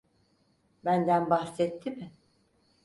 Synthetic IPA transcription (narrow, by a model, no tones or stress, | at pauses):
bænd̪ænbahsɛt̪ʰːimɪ